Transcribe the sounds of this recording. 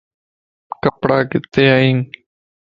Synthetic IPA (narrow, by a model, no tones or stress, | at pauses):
kəpɽaːkɪt̪ːeːaːĩːŋ